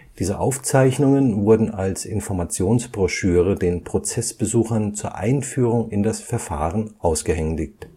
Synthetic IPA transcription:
d̥iːzəʔaʊft͡saɪçnʊŋənvʊɐdn̩alsɪnfɔɐmat͡sjoːnsb̥ʁɔʃyːʁədeːnpʁ̥ot͡sɛsb̥əzuːxɐnt͡suːɐʔa̰ɪnfyːʁʊŋɪndasfɛɐfa̰ːʁənʔaʊsɡ̥əhɛŋdɪk̚t

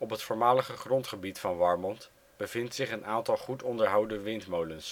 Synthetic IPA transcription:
ɔpɦətfʊːɹmaːləχəχrɔntχəbitfɑnʋɑɹmɔnt | b̥əv̥ɪntsɪχənaːntɑlˠχutɔndəɹɦʌwdəʋɪntmowləns

